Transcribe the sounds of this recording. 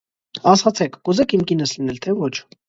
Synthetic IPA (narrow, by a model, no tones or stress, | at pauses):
ɑsχɑt͡sʰɛkʰɡuzɛkʰimkinəslinɛlt̪ʰɛvɔt͡ʃʰ